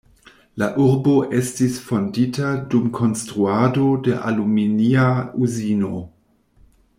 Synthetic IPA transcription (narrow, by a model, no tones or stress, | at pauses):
laʔuɾbo̞ʔe̞stisfo̞nditadumkʰo̞nstɾuado̞de̞ʔa̰luminiauzino̞